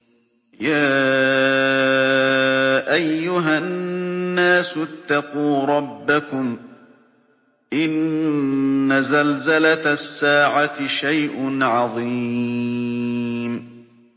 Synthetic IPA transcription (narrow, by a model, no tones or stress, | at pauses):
jaː | ʔajːʊɦaː | aːsʊt̪ːɑquːɾˤɑbːakʊm | ʔɪnː | azalzalat̪sːaːʕat̪ɪʃajʔʊnʕɑðˤi | m